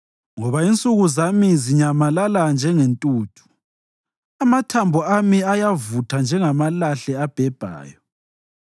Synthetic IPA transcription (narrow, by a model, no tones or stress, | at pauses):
ŋɔβaint͡sʼuɣuzamiziɲamalaland͡ʒʱɛŋentʼuːtʰu̥ | amatʰambʱɔamiajavutʰand͡ʒʱɛŋamalaɬɛab̥ʱɛb̥ʱa̰ːjɔ